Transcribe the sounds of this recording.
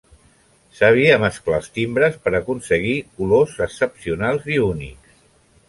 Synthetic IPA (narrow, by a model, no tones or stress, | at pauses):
səβ̞iəməsklast̪imbɾəspəɾəkunsəɣ̞ikulozəksəpsiunalˠziunḭks